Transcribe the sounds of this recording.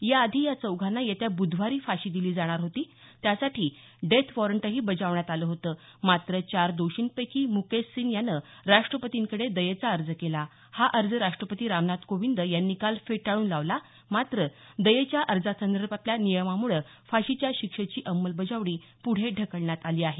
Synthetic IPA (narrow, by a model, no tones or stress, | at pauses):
jaəd̪ʱiːjat͡səwɡʱanːajet̪jabud̪ʱʋaɾiːfaɕiːd̪iliːd͡zaɽ̃aɾɦot̪iːt̪jasaʈʰiː | ɖet̪ʰʋɔɾəɳʈəɦiːbəd͡zaʋɳjat̪aləːɦot̪əː | mat̪ɾət͡ɕaɾd̪oɕinpəjkiːmukesːiːnjanəɾaʂʈɾəpət̪iŋkəɽed̪əjet͡saəɾd͡zəkela | haʔəɾd͡zəɾaʂʈɾəpət̪iːɾamnat̪koʋind̪əjanːikalfeʈaɭuːnlaʋla | mat̪ɾə | d̪əjet͡ɕjaʔəɾd͡zatʰənd̪əɾpap̪ljanijəmamuɭə | faɕit͡ɕjaɕikʂət͡ɕiːʔəmːəlbəd͡zaʋɽ̃iː | puɽ̤eɖʱəkəɭɳjat̪aliːaɦe